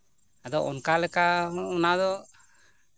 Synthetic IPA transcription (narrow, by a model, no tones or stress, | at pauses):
ad̪ɔʔɔnkalɛkaunad̪ɔ